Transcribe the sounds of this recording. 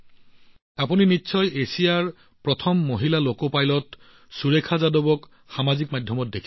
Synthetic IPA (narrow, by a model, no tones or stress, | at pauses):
apuninitːsʰɔjesijaɹ | pɹɔtʰɔmːoɦilalokopajlɔt | suɹekʰazadobɔk | xamazik̚majdʱjɔmɔt̚dekʰ